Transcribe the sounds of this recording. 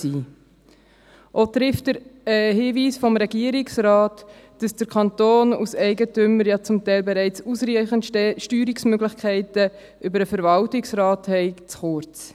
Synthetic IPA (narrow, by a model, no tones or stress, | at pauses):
iː | ʔotɾɪftdəɾhiːviːsfɔmɾɛɡiəɾiksɾɑːt | d̥ɑsd̥əɾkʰɑntoːnusɛɪɡətʏmːəɾjɑt͡sʊmtɛɪlbɛɾɛɪt͡susɾiχənʃtyːɾiksmøɡlɪχkʰɛɪtə | ʔʏbəɾəfəɾvɑltɪksɾɑːthɛɪt͡sχʊɾt͡s